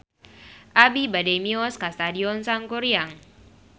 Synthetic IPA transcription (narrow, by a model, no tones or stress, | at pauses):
ʔabibademiɔskast̪adiɔnsaŋkuɾiaŋ